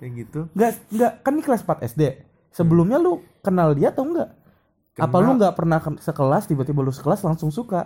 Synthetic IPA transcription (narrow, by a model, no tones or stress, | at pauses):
ɡit̪uŋɡaʔŋɡaʔkanːikəlaspat̪ɛ̰sde | səbəlʊmɲalʊ | kənaldiat̪auŋɡaʔ | kapaluŋɡaʔpərnahsəkəlast̪ibat̪ibalusə̥kəlaslaŋsʊŋsuka